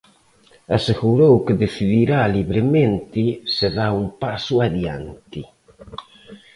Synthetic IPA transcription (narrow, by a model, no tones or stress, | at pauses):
aseɣuɾowkɪðeθiðiɾaliβɾɪmẽnt̪ɪsɪðaumpasuaðja̰nt̪i